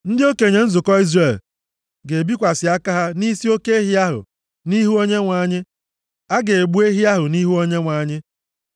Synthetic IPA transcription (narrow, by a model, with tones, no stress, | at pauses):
n̩˦dɪ˦o˦ke˨ɲe˨n̩˦zʊ˨kɔ˦i˦zre˨l | ɡe˨bi˦kʷa˨sɪ˨a˦ka˦ɦa˦ni˦si˦o˦ke˦e˦ɦi˦a˦ɦʊ̰˨ | ni˦ɦu˦o˦ɲe˦ŋʷa˨ɲɪ˦ | a˦ɡe˨e˨ɡ͡bu˦e˦ɦi˦a˦ɦʊ˨ni˦ɦu˦o˦ɲe˦ŋʷa˨ɲɪ˦